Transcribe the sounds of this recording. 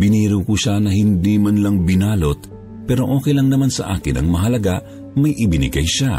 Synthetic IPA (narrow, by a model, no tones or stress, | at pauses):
bɪniːɾɪwkʊʃanɐhɪnd̪iːmɐnlɐŋbɪnaːlo̞t̪̚ | pɛːɾo̞ʔo̞ːkɛjlɐŋnɐmansɐ̰ʔaːkɪnɐ̰ŋmɐɦɐlɐɡaʔ | mɐjʔɪbɪnɪ̰ɡɐjʃa